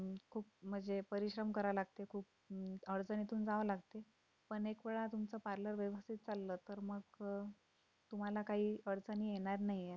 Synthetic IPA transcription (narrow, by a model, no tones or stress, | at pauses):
kʰuːp̚m̤əd͡zepəɾiɕɾəmkəɾaʋlaɡt̪ekʰuːp̚ | əɽd͡zənit̪uːnd͡zaʋəlaɡt̪e | pəɳekʋeɭat̪umt͡səpaɾləɾʋjəʋəst̪it̪̚t͡salːət̪əɾməɡ | t̪um̤alakaɦiːəɽd͡zəniːjeɽ̃aɾnaɦje